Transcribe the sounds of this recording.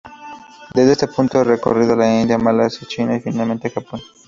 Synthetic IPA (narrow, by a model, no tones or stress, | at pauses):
d̪ezd̪est̪epunt̪oereko̰riðolaind̪jamalasat͡ʃinaifinalment̪exapon